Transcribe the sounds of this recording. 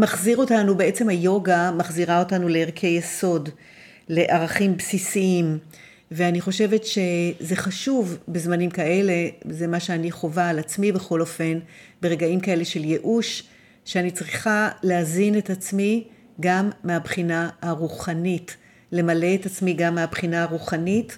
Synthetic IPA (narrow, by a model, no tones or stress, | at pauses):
maχziʁo̞tanubee̞t͡se̞mhajo̞ɡamaχziʁao̞tanule̞eʁkʰe̞jeso̞d | le̞ʔaʁaχimbsisiim | veaniχo̞ʃe̞ve̞tʃe̞ze̞χaʃuvbezmanimkae̞le̞ze̞maʃeaniχo̞vaːlat͡smibe̞χo̞lo̞fe̞nbeʁe̞ɡaimkae̞le̞ʃe̞lje̞ʔuʃ | ʃeanit͡sʁiχaleazine̞tat͡smi | ɡamːeabχinaaʁuχanit | le̞male̞etat͡smiɡamːeabχinaaʁuχanit